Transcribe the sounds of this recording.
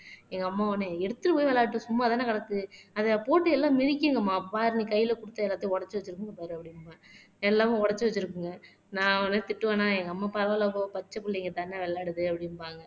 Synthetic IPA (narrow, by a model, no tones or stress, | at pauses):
ɛŋɡɐɐmːaːonːeɛɽɯt̪ːɯɾɯpuːjʋɛlaːʈːɯsʊmːaːɐðaːnɐkɐɽɐt̪ːɯɐðɐpoːʈːɯɛlːãːmɪɾɪkʲːɯŋɡɐmːaːpaːɾnikɐjːɪlɐkʊɽɯt̪ːɐɛlːaːt̪ːɯjɔɽɐt͡ʃːɯʋɐt͡ʃːɯɾɯkːɯŋɡɐpaːɾɯɐpːɐɽɪnːmaː | ɛlːaːʋʊ̃ɔɽɐt͡ʃːɯʋɐt͡ʃːɯɾɯkːɯŋɡɐ | nãːɔnːɯt̪ɪʈːɯʋɐnaːɛŋɡɐːmːaːpɐɾɐʋɐlɐːkoːpɐt͡ʃːɐpːʊlːɛŋɡɐt̪ɐnːeʋɛɭːaːɽɯðɯɐpːɐɽɪnpaːŋɡɐ